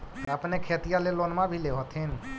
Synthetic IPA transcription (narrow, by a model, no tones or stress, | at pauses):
t̪əpnekʰeːt̪ijaleloːnmabʱileɦot̪ʰin